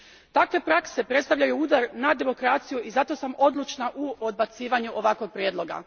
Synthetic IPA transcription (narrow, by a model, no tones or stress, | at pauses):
t̪akʋe̞pɾakse̞pɾet̪st̪aʋʎajuuːd̪aɾnad̪e̞mo̞kɾat̪sijuʔizat̪o̞samo̞d̪lˠut͡ʃnaʔuod̪bat̪siːʋaɲuʔo̞ʋako̞ɡ̚pɾjed̪lˠo̞ɡa̰